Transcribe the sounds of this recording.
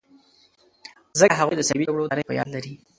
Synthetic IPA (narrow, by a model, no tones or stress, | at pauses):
zəkɦaɣujd̪əsawiaɡɽod̪ɾəjpə̰jɑ̰d̪laɾi